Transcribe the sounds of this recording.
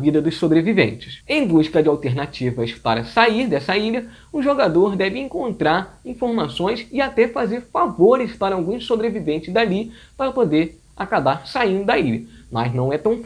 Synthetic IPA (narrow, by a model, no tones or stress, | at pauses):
vid̪ɐd̪ʊssobɾevivḛ̃nt͡ʃɪ̥sẽj̃d̪uʃkɐd͡ʒɪawt̪eɾnat͡ʃivɐspaɾɐsaiɾd̪ɛsɐiʎɐ | ʊʒoɡad̪oɾd̪ɛvɪẽŋkõnt̪ɾaɾĩfoɾmasõj̃sɪat̪ɛfazeɾfavoɾɪspaɾɐawɡũsobɾevivẽnt͡ʃɪzd̪ali | paɾɐpod̪eɾ | akabaɾsaĩnd̪ʊd̪ɐiʎɐmɐznɐ̃w̃ɛt̪ɐ̃w̃f